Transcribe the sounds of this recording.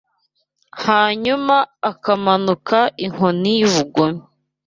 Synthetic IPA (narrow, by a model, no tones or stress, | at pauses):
haːɲumaːkamanukʰaʔiŋ̥onijuβuɡomi